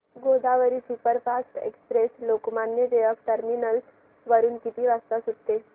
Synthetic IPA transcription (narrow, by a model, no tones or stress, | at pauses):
ɡod̪aʋəɾisupəɾpʰasʈḛkspɾeslokmanjəd̪eʋək̚ʈəɾminəl | ʋəɾuːnkit̪iʋast̪asud̪t̪ːe